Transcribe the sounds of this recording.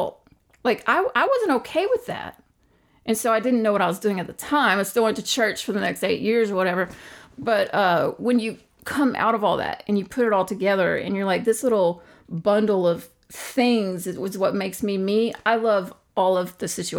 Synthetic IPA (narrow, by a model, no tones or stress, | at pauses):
laɪka̰ɪʔaɪwʌzɨ̃n̩toʊkʰeɪwɨðæ̰t̚ | ʔɨ̃nsoʊaɪdɪdⁿn̩noʊwʌɾaɪwʌzdʉɪ̃ŋɨt̪̚ðɨtʰãɪ̃maɪstɪʊɪ̃ntɨt͡ʃʰɜ˞t͡ʃfə˞ðənɛksteɪʔjɪɹzə˞wʌɾɛvə˞b̥ʌt̚ʌwɨ̃njɨ | kʰʌ̃mʔa̰ʊɾʌvɔlˠðæ̰t̚ɨ̃njɨpʰʊɾɨɾɔlˠtʰɨɡɛðə˞ɨ̰̃njə˞laɪk̚ðɪslɪɾl̩ˠ | bʌ̃ndˡl̩ˠʌv̥ | θɪ̃ŋzɨwʌzwʌt̚meɪksmimia̰ɪlʌv | ɔlˠʌvðɨsɪt͡ʃʉ